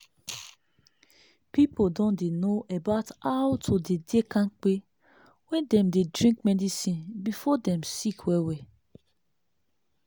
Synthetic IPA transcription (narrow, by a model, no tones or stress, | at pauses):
pipodɔ̃ndenoʔebaʊtawtʰodedekãnk͡pe | wɛ̃ndɛ̃mdedɹĩŋkmɛdisĩnbifɔdɛ̃msikʰwɛwɛ